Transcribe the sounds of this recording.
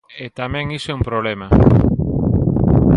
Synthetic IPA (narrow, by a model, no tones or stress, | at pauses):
et̪amẽŋiseumpɾoβlema